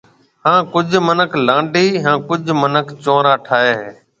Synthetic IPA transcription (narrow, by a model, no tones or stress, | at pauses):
hãːkʊd͡ʒʱmənəkʰlãːɳɖiːɦãːkʊd͡ʒʱmənəkt͡ʃõːɾaːʈʰaːɦeːɦː